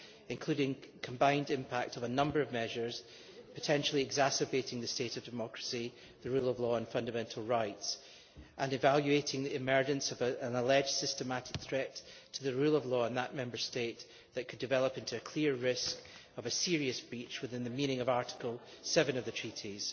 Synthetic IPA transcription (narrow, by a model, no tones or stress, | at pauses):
ɪ̃nkʰl̥ʉɾɪ̃ŋkʰə̃mbãɪ̃ndɪ̃mpʰak̚təvənʌ̃mbə˞ʌvmɛʒə˞z̥ | pʰətʰɛ̃nʃl̩ˠiɪɡzasəbeʔɪ̃ŋðɨsteʔəvdɨmɔkɹ̥əsi | ðəɹʉlˠəvlˠɔə̃nfʌ̃ndəmɛ̃ntʰˡl̩ˠɹaɪts | ʔə̃nɨvalˠjʉeʔɪ̃ŋðiɪmɜ˞d͡ʒɨ̃nsʌvəə̃nəlˠɛ̥d͡ʒ̥sɪstəmaʔɪ̥k̚θɹ̥ɛtʰ | əðɨɹʉlˠəvlˠɔɪ̃nðəʔmɛ̃mbə˞steʔ | ðəʔkʰɨdɨvɛlˠəpɪ̃ntʰʉɨkʰl̥iɹɹɪskəvəsiɹiɨsb̥ɹit͡ʃwɨθɪ̃nðɨminɪ̃ŋəvaɹʔɪ̥kʰəl̩ˠ | sɛvə̃nʌvðɨtʰɹ̥iʔiz̥